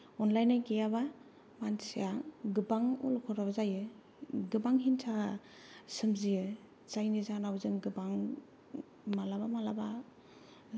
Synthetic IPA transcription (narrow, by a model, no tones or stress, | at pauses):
ɔnlajnaɡejaba | mansijaɡɯbaŋulkʰɔɾabazajɯ | ɡɯbaŋɦintʰaa | sɯmziɯ | zajnizanawzɯŋɡɯbaŋ | malabamalaba